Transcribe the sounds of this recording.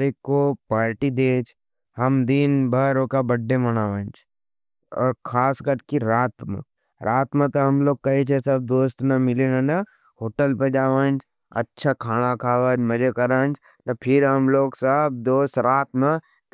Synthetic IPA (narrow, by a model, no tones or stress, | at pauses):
ɾekːopaːɾʈid̪eːt͡ʃʰ | hɐmd̪inbʱaːɾoːkabɐɖːemɐñaːʋə̃ːnd͡ʒʰ | ɔ̰ːɾkʰaːskɐɾkiɾaːt̪mḛ̃ | ɾʔaːt̪mə̃t̪ɐɦɐmloːɡ̚kɐet͡ʃʰesɐb̚d̪oːst̪nɐmɪleːnənɐ | ɦoːʈəlped͡ʒaːʋaːnt͡ʃʰ | ɐ̰tːʃʰakʰaːɽ̃akʰaːʋaːnmɐd͡ʒekɐɾaːnd͡ʒ | t̪ɐpʰɪɾɦɐmloːɡsəb̚d̪oːst̪ɾaːt̪mẽ | t̪